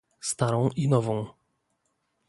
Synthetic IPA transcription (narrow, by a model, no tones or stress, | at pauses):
st̪aɾɔ̃w̃ʔinɔvɔ̃w̃